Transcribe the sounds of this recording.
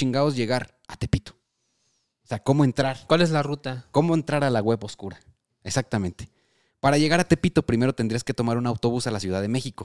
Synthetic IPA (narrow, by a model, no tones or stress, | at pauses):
t͡ʃiŋɡao̞zʝe̞ɣaɾ | at̪e̞pit̪o̥ | seako̞mo̞e̞nt̪ɾaɾkwalezlarut̪ako̞mo̞e̞nt̪ɾaɾalaɣwe̞βoskuɾa | e̞sak̚t̪amẽ̞nt̪e̥ | paɾaʝe̞ɣaɾat̪e̞pit̪o̞pɾime̞ɾo̞t̪end̪ɾiaske̞t̪o̞maɾunawt̪o̞β̞usalasjuð̞aðe̞me̞xiko̞